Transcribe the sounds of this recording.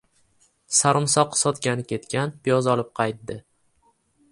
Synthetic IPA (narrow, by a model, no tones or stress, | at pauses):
saɾɨmsɒqsɒt̪ɡʲanɪkʲʰe̞t̪kʲʰanpʰijɒzɒlˠɪp̚qʰɑjt̪̚d̪ɪ